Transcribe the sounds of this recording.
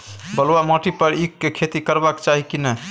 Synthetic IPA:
bəlwamɔʈipəɾikːekʰet̪ikəɾbakt͡ʃaɦikinɛ

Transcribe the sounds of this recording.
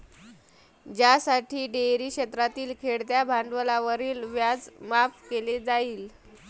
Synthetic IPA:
d͡ʑjasaʈʰiːɖeɾiːkɕet̪ɾat̪iːlkʰeɽd̪jabʱaɳɖʋəlaʋəɾiːlʋjad͡zmapkeled͡zaiːl

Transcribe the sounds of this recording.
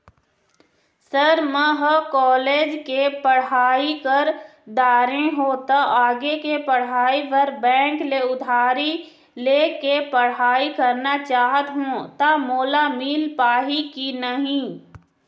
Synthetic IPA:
səɾmə̃ɦəkɔːleːd͡ʒkepəɽ̤aːikəɾ | d̪aːɾẽɦot̪aʔaːɡekepəɽ̤aːiʋəɾbɛ̃ːŋkleʊd̪ʱaːɾi | lekepəɽ̤aːikəɾnat͡ʃaːɦət̪ɦũt̪amoːlamiːlpaːɦikinəɦĩ

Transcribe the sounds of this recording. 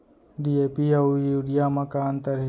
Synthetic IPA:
ɖiepiaujuɽijamakant̪əɾi

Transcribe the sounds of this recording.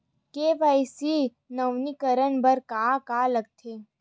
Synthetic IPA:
keːʋajsi | nɐwnikəɾənbəɾkaːkaːləɡ̚t̪ʰeː

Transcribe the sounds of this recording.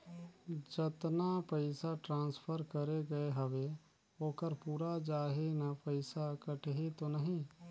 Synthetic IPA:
d͡ʒət̪napəɪsaʈɾãːnspʰəɾkəɾeɡɐeɦəʋe | oːkəɾpuːɾad͡ʒaːɦenapəɪsakəʈʰeɦet̪onəɦĩ

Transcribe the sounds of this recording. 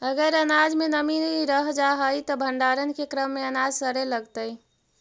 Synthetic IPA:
əɡəɾənad͡ʒmenəminɾəɦd͡ʒaɦəjt̪ɔbʱəɳɖaɾənkekɾəmːeənad͡ʒsəɾeləɡt̪əj

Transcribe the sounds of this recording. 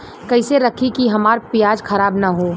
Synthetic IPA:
kɐɪseɾɐkʰikiɦɐmaːɾpɪjaːd͡ʒkʰɐɾaːbnaɦoː

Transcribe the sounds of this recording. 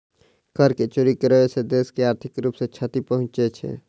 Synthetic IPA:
kəɾket͡ʃoːɾikəɾəesed̪eːskeaːɾt̪ʰɪkɾuːpset͡ʃʰət̪ipəɦʊ̃nt͡ʃet͡ʃʰḛ

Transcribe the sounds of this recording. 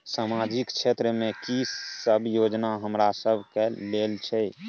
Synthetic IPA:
samad͡ʒɪkt͡ʃʰet̪ɾəmẽkisəbʱjod͡ʒnaɦəmɾasəbʱkɛleːlt͡ʃʰɛ

